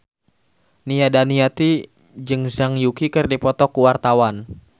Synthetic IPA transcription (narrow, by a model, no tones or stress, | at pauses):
nijadaniat̪i | d͡ʒɨŋzaŋjukikɨrdipɔt̪ɔkuwart̪awan